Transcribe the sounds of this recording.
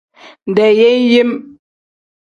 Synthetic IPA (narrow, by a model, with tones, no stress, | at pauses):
n̩˨dɛ˨je˦n˦je˦m